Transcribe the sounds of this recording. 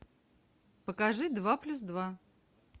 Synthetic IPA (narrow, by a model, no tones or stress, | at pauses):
pəkɐʐɨd̪vaplʲusd̪va